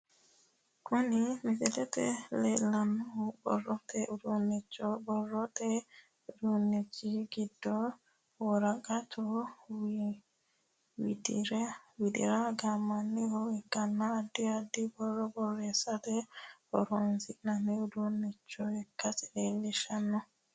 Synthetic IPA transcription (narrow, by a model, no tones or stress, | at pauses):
kunimisɛtɛtɛ̰lɛlanːubɔ̰ɾɔtɛudunːit͡ʃːɔbɔrɔt̪ɛ | udunːit͡ʃːiɡidːɔ | wɔɾaɡatuw | widḭɾɛwidḭɾaɡamanːihɔɛɡanːaːdːiadibɔɾɔbɔɾɛsatɛɔ̰ɾɔnsiknaniudunːit͡ʃːɔɛkasi̥lɛlːiʃanːɔ